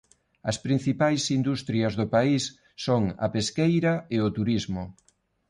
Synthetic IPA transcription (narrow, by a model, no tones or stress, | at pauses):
ɐspɾin̟θipajsind̪ust̪ɾiɐzðʊpaisː | oŋɐ̰peskejɾɐeʊt̪uɾizmʊ